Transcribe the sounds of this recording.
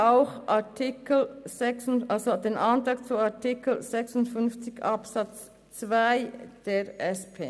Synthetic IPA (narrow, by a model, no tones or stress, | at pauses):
ʔaʊxʔatʰikl̩zɛksʊnalzod̥eːnʔantʁɑːkt͡suaɐtikl̩z̥ɛksʊntfʏnft͡sɪçɑpsɑt͡s | t͡svaɪd̥eːʁʔɛspʰḛː